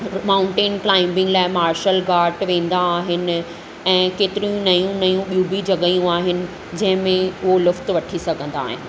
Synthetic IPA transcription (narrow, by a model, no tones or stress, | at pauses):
maːʊ̃ɳʈeːnklaːɪ̃mbɪ̃ŋɡlaːɪmaːɾʃəlɡaːɾʈʋẽːnd̪aːɦɪnɪ̆ | ɛ̃ːkeːt̪ɪɾiũnɐjũnɐjũɓiũbid͡ʑɐɠəjũaːɦɪnɪ̆ | d͡ʑɐ̃ɦɪ̃mẽʊɦolʊft̪ʋɐʈʰisɐɡʱə̃nd̪a̰ːɦɪ̰nɪ̆